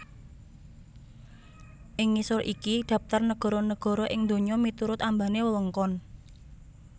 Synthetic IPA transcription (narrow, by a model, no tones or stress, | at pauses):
ʔɪŋːisʊɾʔikiɖ̪̥ä̤p̚t̪ərnəɡ̥ɔ̤ɾɔnəɡ̥ɔ̤ɾɔʔɪŋnd̪o̤ɲɔmit̪uɾʊt̪ambanewələŋkɔn